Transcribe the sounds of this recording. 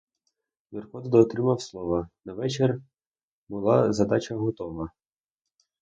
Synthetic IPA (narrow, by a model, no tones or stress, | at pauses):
nɛrkɔt̪d̪ɔːt̪ɾɪmɐwslˠɔʋɐnɐʋɛt͡ʃer | bʊlˠɑzɐd̪ɑt͡ʃɐɦɔt̪ɔʋɐ